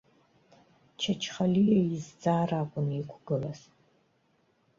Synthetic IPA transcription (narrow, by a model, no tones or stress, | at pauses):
t͡ʃʰat͡ʃʰχalijaizd͡zaːraːkʷʼʊnikʷʰɡ̥ɨlɐs